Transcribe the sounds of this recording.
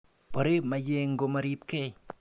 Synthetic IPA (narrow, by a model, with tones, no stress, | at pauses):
bo˨ɾe˦p̚maje˦ŋɡomaɾi˦p̚ke˦j